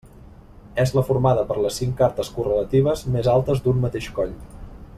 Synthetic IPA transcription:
ɛzləfuɾmaðəpəɾləsːiŋkaɾt̪əskurələt̪iβ̞əzmezalˠt̪əzd̪ummət̪eʃkɔʎ

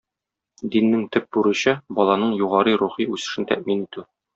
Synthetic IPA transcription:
d̪inːɘŋt̪ɘp̚buɾɘ̆ɕɤbɒlˠɑnɤɴjuʁɑɾɤɾuχiʉsɘ̆ʃɘnt̪æ̰ʔminit̪ʉ

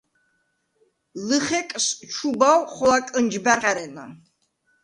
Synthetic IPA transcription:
lɨχɛkʼst͡ʃʰubawχɔlakʼənd͡ʒbaʁaɾɛna̰

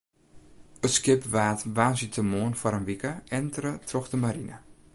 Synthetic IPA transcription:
əskɪpʋaːtʋaːsitʰəmoənfɔɾənʋikəɛntrətʰrɔxdəmaɾinə̰

